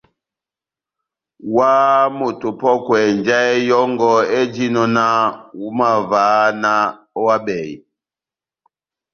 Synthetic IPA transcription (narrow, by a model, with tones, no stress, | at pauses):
wa˦mo˨tu˨pɔ˦kwɛ˨nd͡ʒa˦ɛ˦jɔ˦ŋɡɔ˦e˦d͡ʒi˦nɔ˦na˦wu˦ma˨va˨˦na˦ | ɔ˦wa˦ɓɛ˨ḭ˨